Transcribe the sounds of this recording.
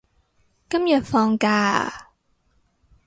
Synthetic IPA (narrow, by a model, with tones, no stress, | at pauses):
kɐ˥mjɐ˨˩t̚fɔː˧ŋkaː˧